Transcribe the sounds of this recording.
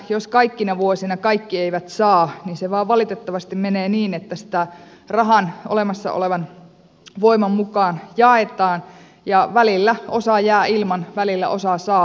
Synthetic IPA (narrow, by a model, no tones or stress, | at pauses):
joskɑikːinɑʋuosinɑkɑikːieijʋæt̪sɑːninseʋɑːʋʋɑlit̪et̪ːɑʋɑst̪immeneːniːnet̪ːæsi̥t̪æ | rɑɦɑnʔo̰lemɑsːɑ̰o̰leʋɑn | ʋoimɑmmukɑːnjɑet̪ɑːn | jɑʋælilːæo̞sɑːjæːilmɑnʋælilːæ̰ʔosɑsɑː